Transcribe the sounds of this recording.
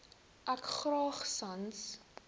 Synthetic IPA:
ʔækχrɑːχsɐns

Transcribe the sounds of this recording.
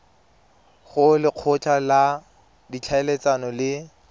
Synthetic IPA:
χʊlɪq͡χʰʊt͡ɬʰʼala | dit͡ɬʰaelet͡sanɔlɪ

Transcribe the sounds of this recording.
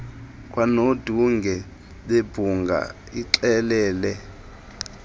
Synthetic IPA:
kʼwanod̥ʱuŋɡʱɛ | ɓeb̥ʱuŋɡʱa̰ | iǀɛlɛːlɛ

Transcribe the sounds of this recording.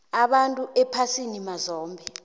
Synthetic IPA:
aɓantʼuʔɛpʰasinimazɔːmbʱɛ

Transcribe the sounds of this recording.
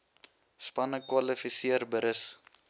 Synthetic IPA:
spɐnəkwɐlifisiərbəɾəs

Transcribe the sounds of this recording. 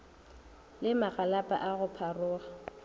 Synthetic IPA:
lɪmaɣalapʼa̰ʔaɣʊpʰarʊːɣa

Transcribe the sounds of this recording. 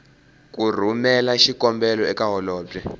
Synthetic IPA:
k̬ur̤umɛlaʃikɔmbɛlɔɛkaɦɔlɔːtɛ

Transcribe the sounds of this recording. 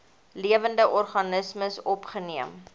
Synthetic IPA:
liəvəndəʔɔrχɐnəsməsɔpχəniəm

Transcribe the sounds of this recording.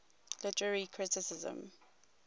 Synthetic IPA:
lɪtəɹəɹikʰɹɪtɪsɪzə̰̃m

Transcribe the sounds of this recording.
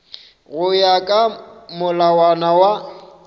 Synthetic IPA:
ɣʊjakʼamʊlawanawa

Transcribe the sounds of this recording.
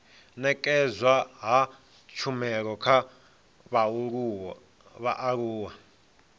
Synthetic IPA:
nɛkʼɛzwaɦa | t͡ʃʰumɛɺɔkʰa | βauɺu | βaʔaɺuːwa

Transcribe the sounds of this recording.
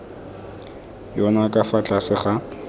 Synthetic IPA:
jɔnakʼafat͡ɬʼasɪχa

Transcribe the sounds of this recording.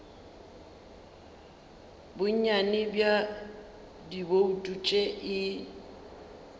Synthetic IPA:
bʊɲanɪbja | diboutʼut͡ʃʼeʔɪ

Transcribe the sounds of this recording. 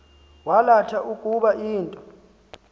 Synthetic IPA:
walatʰaʔukʼuɓaʔiːntʼɔ

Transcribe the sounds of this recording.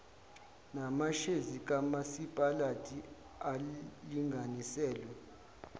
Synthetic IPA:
namaʃezik̬ʼamasipʼalatʼi | aliŋɡʱanisɛːlwɛ

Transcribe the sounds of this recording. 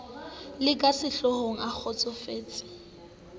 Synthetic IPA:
lɪkʼasɪɬɔhoŋ̩ak͡xʰɔt͡sʼɔfeːt͡sʼɪ̥

